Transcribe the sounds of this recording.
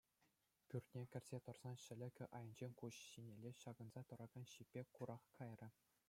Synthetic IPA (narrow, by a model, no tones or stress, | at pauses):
pʲyrʲt̪ʲnʲekʲɘ̆rʲz̥ʲet̪ɤ̆rz̥ɑnɕɘ̆lʲɘ̆kʲɘ̆ʔɑjɤ̆nʲd͡ʑenʲkuɕɕinʲelʲeɕɑɡɤ̆nzɑt̪ɤ̆ɾɑɡɑnɕipʲːekuɾɑχkɑjrʲɘ̆